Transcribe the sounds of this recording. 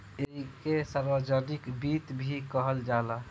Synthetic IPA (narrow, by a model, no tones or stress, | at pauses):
eɦikesaɾbəd͡ʒənikbit̪bʱikəɦəld͡ʒala